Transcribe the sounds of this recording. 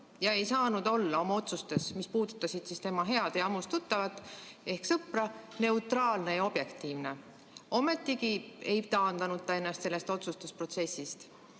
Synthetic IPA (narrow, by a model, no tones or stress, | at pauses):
jɑe̞jsɑːnud̪o̞lːɑo̞mɑo̞t̪sust̪e̞smispuːd̪̥ut̪ːˑɑsid̪̥sist̪e̞mɑɦe̞ɑd̪̥eɑmust̪ut̪ːˑɑvɑt̪ːˑe̞hksɤprɑne̞ut̪ˑrɑːlne̞jɑo̞b̥je̞kt̪ˑiːvne̞ | o̞me̞t̪ːˑiɡie̞jt̪ɑːnd̪̥ɑnud̪̚t̪ːɑe̞nːɑst̪se̞lːe̞st̪o̞t̪sust̪uspro̞t̪se̞sːist̪